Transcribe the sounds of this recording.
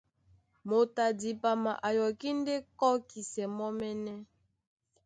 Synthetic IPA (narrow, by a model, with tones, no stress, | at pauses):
mo˨ta˨di˨pa˨ma˨ʔa˨jɔ˨ki˦nde˦kɔ˦ki˨sɛ˨mɔ˦mɛ˦nɛ˦